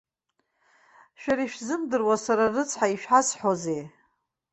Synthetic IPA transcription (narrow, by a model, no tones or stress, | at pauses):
ʃᶣaɾiʃᶣzɨmdɨrwasaɾarɨt͡sʰħaiʃᶣħasħoze